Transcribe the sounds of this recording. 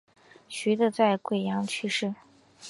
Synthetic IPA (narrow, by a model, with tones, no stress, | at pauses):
ɕy˧˥d̪ə˧t͡sa˥˧ɪkwe˥˩ɪjɑ˧˥ŋt͡ɕʰy˥˧ʂɻ̩˥˩